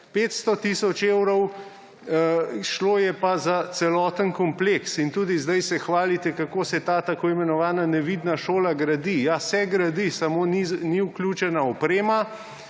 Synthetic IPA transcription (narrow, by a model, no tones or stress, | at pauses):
peːt̪st̪ɔt̪isɔt͡ʃewɾɔw | ʃloːjɛpazat̪sɛlɔːt̪ənkɔmpleksint̪uːd̪izd̪ajsɛxʋaːlit̪ɛkakoːsɛt̪aːt̪akoːimɛnɔʋaːnanɛʋid̪naʃoːlaɡɾad̪ijasɛɡɾad̪isamoːniniuklʲjuːt͡ʃɛnaɔpɾeːma